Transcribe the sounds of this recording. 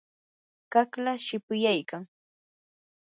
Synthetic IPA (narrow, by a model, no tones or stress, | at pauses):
kaklaʃɪpʊjajkaŋ